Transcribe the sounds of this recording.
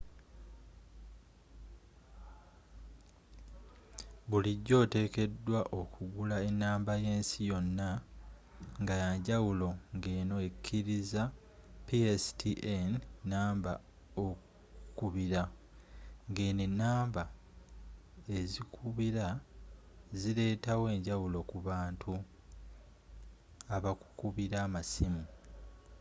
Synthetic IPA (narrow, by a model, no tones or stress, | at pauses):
βuliɟːo̞ːte̞ːke̞dːwaʔo̞kʰuɡulae̞nːaːmbaje̞ːnsijo̞nːa | ŋɡajaɲɟawulo̞ŋɡe̞ːno̞ekʰːiɾiza | piesi̥tʰiʔennːaːmba | oku | ku̥kuβiɾa | ŋɡe̞ːnenːaːmba | e̞zikʰuβiɾa | zile̞ːtawe̞ːɲɟawulo̞kuβaːntʰu | aβaku̥kuβiɾamasimu